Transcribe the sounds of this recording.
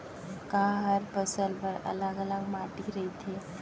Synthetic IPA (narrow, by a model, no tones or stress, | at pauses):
kaɦəɾpəsəlpəɾə̰ləɡələɡmaʈiɾəɦit̪ʰe